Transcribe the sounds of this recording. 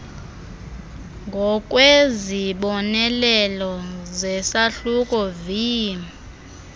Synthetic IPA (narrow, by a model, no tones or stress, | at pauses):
ŋɡʱɔk̬ʼweziɓɔnɛlɛlɔzɛsaɬukʼɔviːm